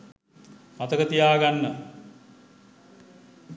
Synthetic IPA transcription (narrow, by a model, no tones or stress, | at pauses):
mat̪əkət̪ijaːɡanːə